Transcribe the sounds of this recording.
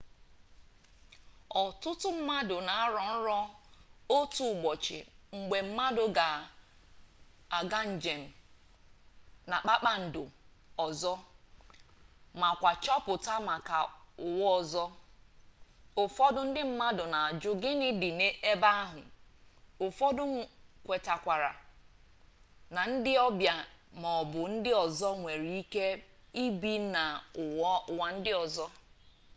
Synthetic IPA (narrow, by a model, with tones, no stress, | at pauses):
ɔ˨tʊ˦tʊ˦m̩˦ma˦dʊ˨na˨a˦ɾɔ˨n̩˦ɾɔ˦o˦tu˨ɡ͡bɔ˨t͡ʃɪ̰˨ŋ͡m̩˨ɡ͡be˨m̩˦ma˦dʊ˨ɡa˨ | a˨ɡa˦n̩˨d͡ʒe˨m̩˨ | na˨k͡pa˦k͡pa˦n̩˨dʊ˨ɔ˨zɔ˦ | ma˨kʷa˨t͡ʃɔ˦pʊ˨ta˦ma˨ka̰˨ʊ˨wʊ˦ɔ˨zɔ˦ | ʊ˨fɔ˦dʊ˦n̩˦dɪ˦m̩˦ma˦dʊ˨na˨a˨d͡ʒʊ˦ɡɪ˦nɪ˦dɪ˨ne˦e˦ba˦a˦ɦʊ˨ | o˨fɔ˦dʊ˦ŋ̩˨kʷe˨ta˨kʷa˨ɾa̰˨ | na˨n̩˦dɪ˦ɔ˦bja˨mɔ˨bʊ˨n̩˦dɪ˦ɔ˨zɔ˦ŋʷe˨ɾi˨˦i˦ke˦i˦bi˨na˨ʊ˨ɔ˦ʊ˨wa˨n̩˦dɪ˦ɔ˨zɔ˦